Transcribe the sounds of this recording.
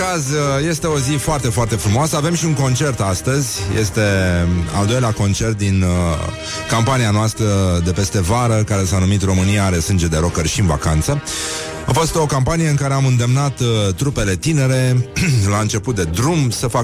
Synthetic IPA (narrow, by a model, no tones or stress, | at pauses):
azje̞st̪e̞o̞zifoart̪e̞foart̪e̞fɾumoasəave̞mʃiuŋko̞nt͡ʃe̞rt̪ast̪əzʲje̞̰st̪e̞a̰ld̪o̞jleako̞nt͡ʃe̞rt̪̚d̪in | kampanianoast̪ɾəd̪e̞pe̞st̪e̞vaɾəkaɾe̞sanumit̪ro̞mɨnijaaɾe̞sɨnd͡ʒe̞d̪e̞ɾo̞kərʃiɨnva̰kant̪sə | afo̞st̪o̞kampanije̞ɨŋkaɾe̞amɨnd̪e̞mnat̪t̪ːɾupe̞le̞t̪ine̞ɾe̞laɨnt͡ʃe̞put̪̚d̪e̞d̪ɾumsəfa